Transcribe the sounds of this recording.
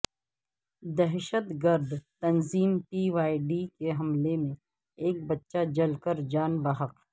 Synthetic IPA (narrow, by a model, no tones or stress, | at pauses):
d̪ɛɦʃət̪ɡəɾd̪t̪ɐnziːmpiʋaːiɖikeɦɐmlemẽ | eːk̚bɐtːʃad͡ʒɐlkəɾd͡ʒaːnbaɦəq